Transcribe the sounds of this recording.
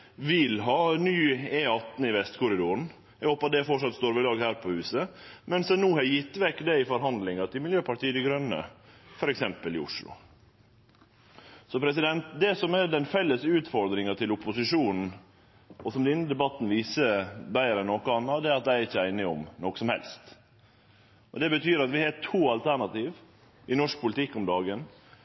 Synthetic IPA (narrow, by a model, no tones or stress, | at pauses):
ʋɪlɦɑːnyːeːɑt̪n̩ɪʋɛst̪kʊɾɪd̪ʊɾɳ̩ | ɛɡhoːpɑt̪̚d̪ɛfɔʈʂɑt̪st̪oːɾʋɪlɑːɡhæːɾpʰɔhʉːsəmɛnsɛnuːhɑjɪt̪ːʋɛkːd̪ɛɪfɔɾɦɑnd̪lɪŋɑt̪ʰɪlmɪljøːpʰɑʈiːəd̪ɪɡɾœnːə̰ | fɔɾɛksɛmpəlɪʊʂlʊ̰ | sɔpʰɾɛsɪd̪ɛnt̪d̪ɛsɔmɛɖɛnfɛlːəsʉːt̪fɔɾd̪ɾɪŋɑt̪ʰɪlʊpːʊsɪʂuːnn̩ | ɔsɔmd̪ɪnːəd̪ɛbɑt̪ːn̩ʋiːsəbæɪɾəɛnːɔkʊɑnːɑd̪ɛɾɑt̪̚d̪æɪɾɪçːəæɪnɪɔmnɔkə̥sɔmhɛ̰lst̪ | ʔɔd̪ɛbət̪ʰyːɾɑt̪ʋɪhɑːʈʰuːɑlt̪ʰæɳɑt̪iːʋ | ʔɪnɔʂk̚pʰʊlɪt̪ʰɪkːɔmd̪ɑːɡən